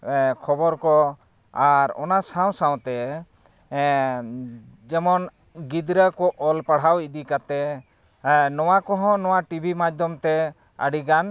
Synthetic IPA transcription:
kʰɔbɔɾkɔ | aɾɔ̰nasaw̃saw̃t̪ɛ | d͡ʒɛmɔn | ɡid̪ɾəkɔʔɔlpaɽ̤awid̪ikat̪ɛ | nɔwakɔɦɔ̃nɔwaʈibʱimad͡ʒd̪ʱɔmt̪ɛ | ə̰ɽiɡan

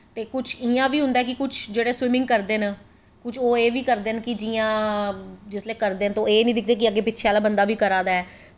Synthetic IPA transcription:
t̪eːkʊt͡ʃʰiːãːʋiːɦʊ̃nd̪aːkɪkʊt͡ʃʰd͡ʒeːɽeːswɪmɪ̃ŋɡ̚kəɾd̪eːnː | kʊt͡ʃʰoːeːʋiːkəɾd̪eːnkɪd͡ʒiːãː | d͡ʒɪsleːkəɾd̪eːnt̪õːeːnĩːd̪ɪk̚ʰd̪eːk̬ɪəɡeːpɪtːʃʰeaːlaːbənd̪aːʋiːkəɾãːd̪aːɛː

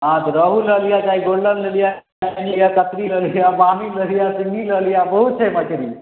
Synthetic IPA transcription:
ɦãt̪əɾəɦulːəlijat͡ʃaiɡoɽlənləlija | anijakət̪ɾiləlijabaːmiləlijasiniːləlijabəɦut̪t͡ʃʰemakeɾiː

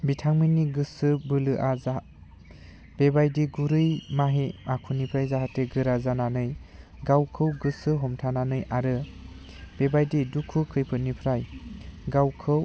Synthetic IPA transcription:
bitʰaŋminiɡɯsɯbɯlɯʔaza | b̥ebajdiɡuɾɯjmaɦeakʰunipʰɾajzaɦateɡɯɾazananɯjɡawkʰɯwɡɯsɯɦɔmtʰananɯjʔaɾɯ | b̥ebajdidukʰukʰɯjpʰɯnipʰɾajɡawkʰɯw

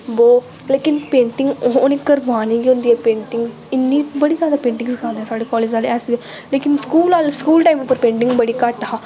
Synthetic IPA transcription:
boː | leːkɪnpẽːɳʈɪŋɡɦnekəɾʋaːniːɡiʊ̃nd̪iːɛːpẽːɳʈɪŋɡz | ɪnːiːbəɽiːzjaːd̪aːpẽːɳʈɪ̃ŋskʰãːnd̪ɛːsaːɖeːkɔːleːd͡ʒaːlɛːsʋeleːkɪnskuːlaːlskuːlʈaːimpːəɾpẽːɳʈɪ̃ŋɡbəɽiːkəʈaː

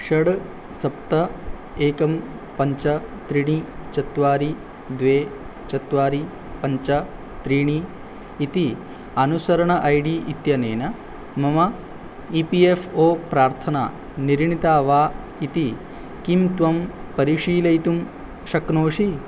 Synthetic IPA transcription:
ʃɐɽ | sɐp̚t̪ɐ | eːkɐm | pɐɲt͡ʃɐ | t̪ɾiɳ̃it͡ʃɐt̪ʋaːɾi | d̪ʋeː | t͡ʃɐt̪ʋaːɾi | pɐɲt͡ʃɐ | t̪ɾiːɳ̃iː | t̪i | ɐnusɐɾɐɳɐʔɐjɖiːʔit̪jɐneːnɐ | mɐmɐ | iːpiːefoːpɾaːɾt̪ʰɐna̰ː | niɾɳit̪aːʋaː | it̪i | kimt̪ʋɐmpɐɾiʂiːlɐjt̪um | ʃɐknoːʃi

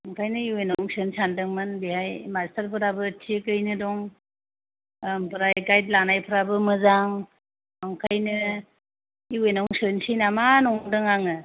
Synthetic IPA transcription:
aŋkʰajnɯiwenɔŋsɯnsandɯŋmɯnbihajmastaɾpʰɯɾabɯtʰikɯjnɯdɔŋ | mpʰɯɾajɡajt̚lanajpʰɯɾabɯmɯzaŋ | aŋkʰajnɯ | iwenɔŋsɯnsinamanɔŋdɯŋaŋɯ

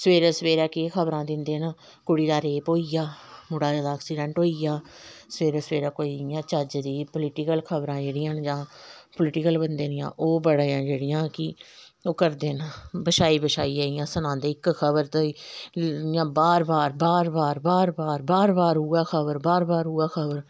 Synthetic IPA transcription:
səʋeːɾɛːsʋeːɾɛːkːkʰəbɾãːd̪ɪnd̪eːnaː | kʊɽiːd̪aːɾeːpoːiːjaːmʊɽaːd͡ʒaːd̪aːksiːɖɛ̃ːɳʈɦoːiːjaːsəʋeːɾɛːsəʋeːɾaːkoːiːjãːt͡ʃəd͡ʒd̪iːpʊlɪʈɪkəlkʰəbɾãːd͡ʒeːɽɪjãːnd͡ʒãːplɪʈɪkəlbənd̪eːnɪjã̰ːʔoːbəɽaãːd͡ʒeːɽɪjãːkɪ | oːkəɾd̪eːnaːbəʃaːiːbəʃaːiːaːijãːsənãːnd̪eːɪkkʰəbəɾt̪oːiː | jãːbaːɾbaːɾbaːɾbaːɾbaːɾbaːɾbaːɾbaːɾɦuːaːkʰəbəɾbaːɾbaːɾɦuːaːkʰəbəɾ

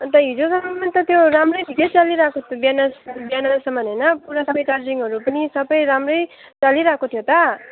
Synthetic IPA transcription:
t̪ʌɦid͡zosʌmʌmʌnt̪ʌt̪joɾamrʌjd̪ʱikʌjt͡saliɾakobjanʌsbjanasʌmʌnɦʌjnʌpuɾasʌbʌjt͡sard͡ziŋɡʌɾupʌnisʌbʌjɾamrʌjt͡saliɾakot̪ʰjot̪ʌ

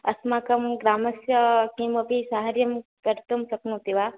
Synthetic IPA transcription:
ɐsmaːkɐmɡɾaːmɐsjɐkimɐpisaɦaɾjɐmkɐɾt̪umsɐknut̪iʋaː

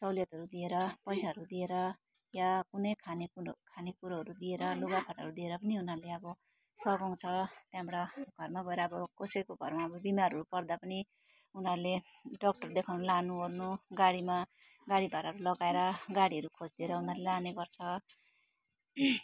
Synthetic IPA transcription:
t͡sʌwljʌt̪ɦʌɾud̪ieɾʌpʌjsaɦʌɾud̪ieɾʌ | jakunʌjkʰanekʰanekuɾaɦʌɾud̪ieɾʌluɡapʰaʈʌ̰ɾud̪ieɾʌpʌniunɦʌrleʌbʌ | sʌɡʌwt͡sʰʌt̪jamɽaɡ̥ʱʌrmaɡʌeɾʌːbʌkʌsʌjkoɡʱʌrmaʌbʌbimarɦʌɾupʌrd̪apʌni | unɦʌrle | ɖʌk̚ʈʌrd̪ekʰawnʌlanuʌrnuɡaɽima | ɡaɽibʱaɾɦʌɾulʌɡaeɾʌɡaɽiɦʌɾukʰod͡zd̪ieɾʌunʌrlelaneɡʌrt͡sʰʌ

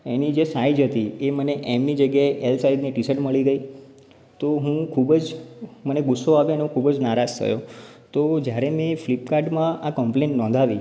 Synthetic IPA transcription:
enid͡ʒesaid͡ʒɦət̪ieməneʔemnid͡ʒəɡjaeʔelsaid̪niʈisəʈməɭiɡəi | t̪oɦũkʰubd͡ʒməneɡʊsːoaʋeneũkʰubəd͡ʒnaɾad͡ʒt̪ʰə̰jo | t̪od͡ʒjaɾemẽflipkaɾɖmãakəmplẽɳʈnɔ̃nd̪ʱaʋḭ

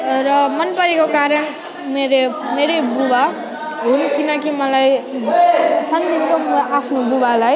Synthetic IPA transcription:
rʌmʌnpʌɾekokaɾʌn | meɾemeɾebuba | ɦunkinʌk̬imʌlaj | sʌnd̪ʱinkomʔapʰnobubalaj

